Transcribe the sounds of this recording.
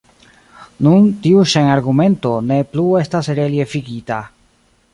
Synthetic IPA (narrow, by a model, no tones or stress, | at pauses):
nuntiuʃenaɾɡume̞nto̞ne̞plue̞stasɾelie̞fiɡita